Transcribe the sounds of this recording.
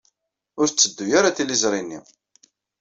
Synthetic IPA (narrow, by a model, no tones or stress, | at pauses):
ʊɾt͡sːəd̪ːujaɾaθilizɾˤinːḭ